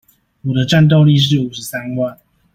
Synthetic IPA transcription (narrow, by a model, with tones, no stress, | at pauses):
wɔ˨˩d̪ə˦ʈ͡ʂa˥˧nt̪̬o˥˧ʊli˥˧ʂ̬ɻ̩˥˩˨u˨˩ʂɻ̩˨˦sa˦nwa˥˨n